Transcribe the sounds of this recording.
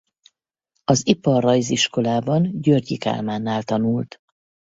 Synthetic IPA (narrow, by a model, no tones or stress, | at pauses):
ɒzipɒrːɒjziʃko̞laːbɒnɟørɟika̰ːlmaːnːaːlt̪ɒnult̪